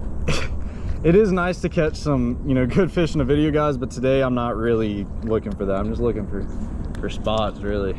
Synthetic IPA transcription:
ɨɾɪznaɪstʰɨkʰɛt͡ʃsʌ̃mjɨñoʊɡʊd̥fɪʃnɨvɪɾioʊɡaɪzbʌtʰɨdeɪãɪ̃mnət̚ɹɪlˠilʊkɪ̃ŋfə˞ðæɾãɪ̃md͡ʒʌstlʊkɪ̃ŋfə˞fə˞spɑtsɹɪlˠi

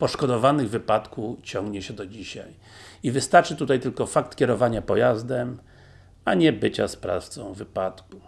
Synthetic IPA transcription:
pɔʂkɔd̪ɔvanɘɣvɘpat̪kut͡ɕɔ̃ŋɡɲɛɕɛd̪ɔd͡ʑiɕa̰j | ivɘst̪aɾt͡ʂɘt̪ut̪ajt̪ɘlkɔfakt̪kʲɛɾɔvaɲapɔjazd̪ɛm | aɲɛbɘt͡ɕa̰spɾa̰ft̪sɔ̃w̃vɘpat̪ku

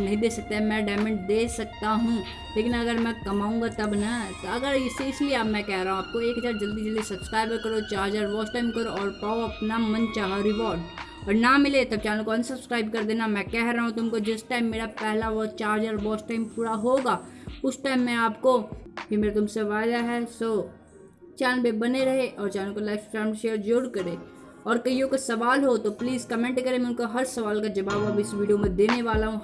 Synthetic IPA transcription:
nɐɦĩd̪eːsɐk̚t̪eɦɛ̃mɛ̃ɖaːmɛ̃ɳʈ̚d̪eːsɐk̚t̪aɦũ | leːkɪnɐɡəɾmɛ̃kɐmaːũːŋɡat̪ɐbnɐt̪oɐɡəɾɪseɪslieaːpmɛ̃kɛɦɾaɦõaːp̚koeːkɦɐzaːɾd͡ʒɐld̪id͡ʒɐld̪isɐbskɾaːɪbkɐɾot͡ʃaːɾd͡ʒəɾʋɔːsʈaːɪmkɐɾoʔɔːɾpaːoɐpnamɐnt͡ʃaːɦaɾɪʋɔːɾɖ | ɔːɾnɐmɪlet̪ɐb̚t͡ʃaːnõkonsɐbskɾaːɪb̚kɐɾd̪eːnamɛ̃kɛɦɾaɦũt̪̬ʊmkod͡ʒɪsʈaːɪmːeːɾapɛɦlaʋɔːt͡ʃaːɾd͡ʒəɾʋɔːsʈaːɪmpuːɽaɦoːɡaː | ʊsʈaːɪmːɛ̃aːpkokimeːɾat̪ʊmseʋaːɪd̪aɦɛsoː | t͡ʃɛːnlbebɐneɾɐɦeʔɔːɾt͡ʃaːnlokolaɪksʈaːnʃeːəɾd͡ʒoɾkɐɾẽː | ɔːɾkɐɦiõkasɐʋaːlɦot̪opliːzkɐmẽɳʈkɐɾemɛ̃ʊnkoɦɐɾsɐʋaːlkad͡ʒɐbaːbɐbɪsʋiːɖijomẽd̪eːneʋaːlaɦũ

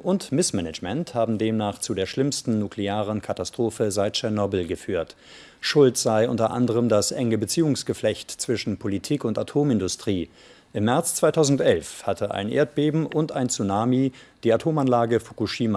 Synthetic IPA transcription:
ʔʊntmɪsmɛnɛd͡ʒmɛnthaːbm̩deːmnaːχt͡sudeːɐʃlɪmstn̩nukʰleaːʁ̞ənkʰatastʁ̥oːfəzaɪt̚t͡ʃɛnɔbl̩ɡəfyːɐt | ʃʊltz̥aɪʔʊntɐʔa̰ndəʁ̞əmdasʔɛŋəbət͡siːʊŋsɡ̥əflɛçtt͡sv̥ɪʃn̩pʰolitʰiːkʊntatʰoːmɪndʊstʁ̥iː | ʔɪmːɛɐt͡st͡sv̥aɪtʰaʊzn̩tʔɛlfhatʰəʔa̰ɪnʔḛːɐt̚b̥eːbm̩ʔʊntʔaɪnt͡sunaːmid̥iːatʰoːmanlaːɡəfu̥kuʃiːma

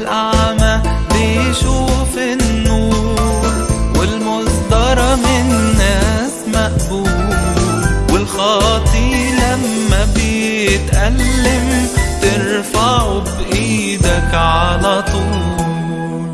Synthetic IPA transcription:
lʔaʕma | bɪjʃuːfɪnnːuːɾwɪlmʊzd̪ɑɾˤɑmɪnːæːsmaʔbuːlwɪlxɑːt̪ˤilamːæbɪjt̪ʔalːɪmt̪ɪɾfaʕubʔiːd̪akʕalæt̪ˤuː

